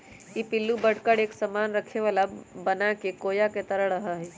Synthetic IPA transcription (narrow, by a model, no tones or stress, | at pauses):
jipɪlːubəɽkəɽeːksəmaːnɾɐkʰeʋalabɐnakekoːjaket̪əɾəɽɐɦaɦɛː